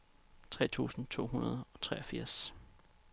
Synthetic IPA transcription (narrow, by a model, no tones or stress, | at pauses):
t͡sʰʁɛ̰ːt͡sʰṵːsn̩t͡sʰo̝̰ːɦunɐðˠɒ̽t͡sʰʁɛɒ̽fiɐ̰s